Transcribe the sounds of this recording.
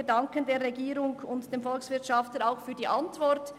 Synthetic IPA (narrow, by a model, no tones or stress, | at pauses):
dɑŋkəndeːɾːɛɡiːɾʊŋʊntd̥eːmfɔlksvɪtʃɑftəɾaʊxfyːɐdiːʔɑntvɔɾt